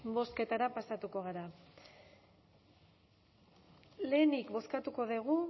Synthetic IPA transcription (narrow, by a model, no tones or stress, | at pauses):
bo̞ske̞t̪aɾapasat̪uko̞ɣ̞aɾa | le̞ːnikbo̞skat̪uko̞ðeɣ̞u